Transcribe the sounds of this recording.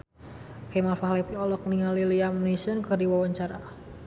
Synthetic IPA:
kɛmalfahlɛpiɔlɔk̚niŋaliliamnisənkərdiwawaɲt͡ʃaɾa

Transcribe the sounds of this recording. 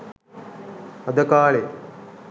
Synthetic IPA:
ɐd̪ɐkaːɭe

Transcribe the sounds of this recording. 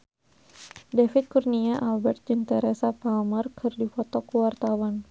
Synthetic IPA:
dɛfit̪̚kurniaʔalbɛrt̪̚d͡ʒɨnt̪ɛɾɛsapalmərkʰɨrdifɔt̪ɔkuwart̪awan

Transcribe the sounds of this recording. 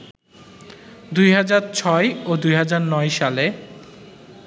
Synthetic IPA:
d̪ujɦad͡ʑaɾt͡ɕʰɔeod̪ujɦad͡ʑaɾnɔjʃale

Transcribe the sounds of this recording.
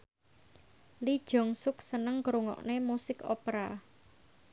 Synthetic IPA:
lid̥ʒ̥ɔ̤ŋsʊksənəŋkɾuŋɔ̰ʔnemusɪko̰pɾa

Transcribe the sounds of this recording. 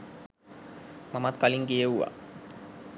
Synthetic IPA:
mamat̪kɑliŋɡejewːa̰

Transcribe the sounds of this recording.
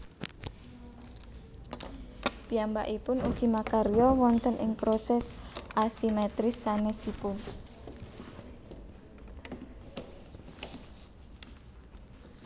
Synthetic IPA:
piamba̰ʔipʊnuɡ̥i̤makaɾiɔwɔnt̪ənʔɪ̰ŋpɾosɛsʔasimɛt̪ɾɪsːanesipʊn

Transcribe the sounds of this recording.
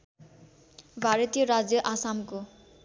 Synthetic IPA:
bʱaɾʌt̪ijʌɾad͡zjʌʔasamko

